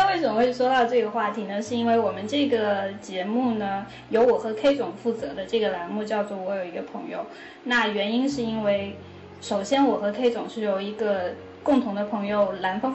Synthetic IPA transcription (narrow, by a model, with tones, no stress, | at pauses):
we˥˩ɪʂə˨˩mə˧˩wʂwɔ˥t̪ɑ˥˧ʊʈ͡ʂɤ˥˩ɡə˩xwa˥˩t̪ʰi˧˥nə˧ʂɻ̩˥˧i˥nwe˥˩ɪwɔ˨˩mə˦nʈ͡ʂɤ˥˩ɡə˩t͡ɕjɛ˧˥mu˥˩nə˩ | jo˧˥ʊwɔ˨˩xɤ˧˥kʰe˥ɪʈ͡ʂʊ˨˩ŋfu˥˩t͡sɤ˧˥d̪ə˧ʈ͡ʂɤ˥˩ɡə˩la˧˥nmu˥˧t͡ɕjɑ˥˧ʊt͡swɔ˥˩wɔ˧˥jo˨˩ʊi˧˥ɡə˧pʰɤ̰˧˥ŋjo˧ʊ | na˥˩ɥɛ˧˥ni˥nʂɻ̩˥˩i˥nwe˥˩ɪ | ʂo˨˩ʊɕjɛ˥nwɔ˨˩xɤ˧˥kʰe˥ɪʈ͡ʂʊ˨˩ŋʂɻ̩˥˩jo˧˥ʊi˧˥ɡə˧ | kʊ˥˩ŋt̪ʰʊ˧˥ŋd̪ə˧pʰɤ˧˥ŋjo˧ʊla˧˥nfɤ˥